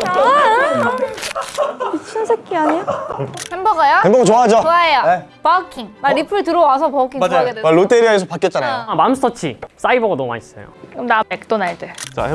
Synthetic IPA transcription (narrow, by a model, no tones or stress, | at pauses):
pit͡ɕʰinsʰek̚k͈iaɲijohembʌɡajoemboɡt͡ɕoaɦad͡ʑooaejoepakʰiŋmaɾipʰɯɯtɯɾʌwasʰʌpʌkʰiŋmaɡedeaɾot͈eɾiaesʰʌpak͈et͡ɕ͈anajoamamss͈ʌt͡ɕʰis͈aibʌɡanʌma̰is͈ʌ̰jo̰kɯmnapek̚t͈onaɭt͈et͡ɕa̰e